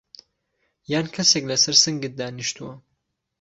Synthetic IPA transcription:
jaːnkʰɐseklɐsɐɾsɨŋɡɨt̪̚d̪aːniʃt̪ʰuwɐ

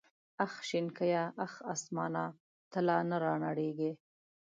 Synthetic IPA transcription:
axʃɪnkəjaʔaxasmɑnɑ | t̪əlɑnaɾɑnaɽeɡe

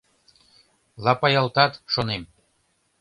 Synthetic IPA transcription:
lɑpɑjɑlt̪ɑt̪ʃonem

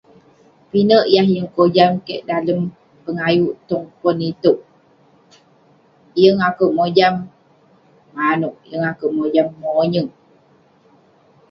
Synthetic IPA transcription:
pinəʔjahjəŋkod͡ʒamkḛʔdaləm | pəŋajuʔt̪uŋkonit̪uʔ | jəŋakəwʔmod͡ʒamː | anuʔjəŋakəʔmod͡ʒamːoɲəŋ

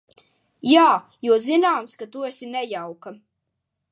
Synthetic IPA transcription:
jaː | juɔzinaːmskat̪uɛsʲinɛjawka

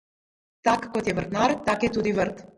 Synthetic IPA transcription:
t̪akakɔt̪jɛvəɾt̪naɾt̪akɛt̪ud̪ivəɾt̪

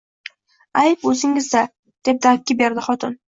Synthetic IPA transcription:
ajposɪŋɪzd̪a | d̪̥e̞p̚d̪aɾɪp̚ʲkʲabe̞ɾd̪ɪχɒt̪ʰɪn

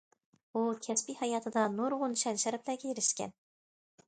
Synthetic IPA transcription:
ukʲʰɛspihɑjɑːt̪ʰɨd̪ɑnuɾʁʊnʃɛnʃɛɾɛplæɡʲɛjeɾɪʃkʲɛ̰n

